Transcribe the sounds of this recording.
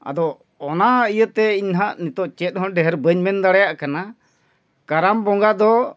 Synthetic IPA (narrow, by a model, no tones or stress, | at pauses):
a̰d̪ɔː | naʔijət̪ɛiɲɦaʔnit̪ɔʔt͡ʃɛt̪̚hɔ̃ɖɛɦɛɾbəɲmɛnd̪aɽɛjaʔkana | kaɾambɔŋɡad̪ɔ